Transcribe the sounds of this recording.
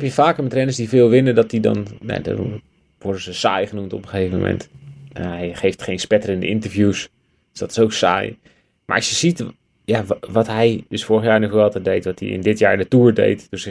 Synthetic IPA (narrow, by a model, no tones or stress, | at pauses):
ɛpjəfaːkəmɛtrɛnəsdivɪːlˠʋɪnədɔtidɔ̰nna̰dɔ̰ | ʋɔɹdəzəsa̰ːjχənumtɔpəχejvəmə̰mʔɛ̰ntʔɛɦɛjχejftχejnspɛtərɪndəɪntərfjus | d̥sdɔtɪ̥soksa̰ːj | ma̰ɹʔɑsjəsit | jaʋɔtɦɛjdəsfʊːɹəxjaːɹnɔxʋɛlˠtɛdejtʋɔtdḭɪ̰ndɪtjaːɹndətuəɹdḛjtdøs